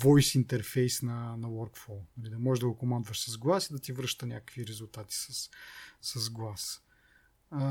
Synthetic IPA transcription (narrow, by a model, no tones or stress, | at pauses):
vɔjsint̪ɛɾfɛjsnɐnɐwɔɾkflˠɔnɐlid̪ɐmɔɛʒd̪ɐɡokomand̪vɐʃsɐzɡlˠasid̪ɐt̪ivɾɤʃt̪ənʲakə̥kviɾɛzulˠt̪at̪i̥sɐsːɐzɡlˠas